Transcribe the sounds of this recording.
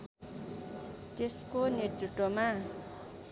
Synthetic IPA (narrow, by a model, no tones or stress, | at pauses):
t̪eskonirt̪riʈ̪ːoma